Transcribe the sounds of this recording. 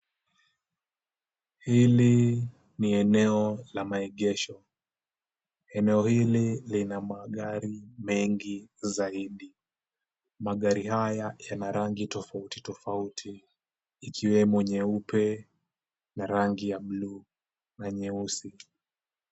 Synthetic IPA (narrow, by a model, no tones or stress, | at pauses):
hili | niɛnɛɔlamaɛɠɛʃɔ | ɛnɛɔhililinamaɠaɾimɛŋɡizaiɗi | maɠaɾihajajanaɾaŋɡitɔfautitɔfautʰiː | kʰiwɛmuɲɛupɛ | naɾaŋɡijaɓluː | naɲɛusi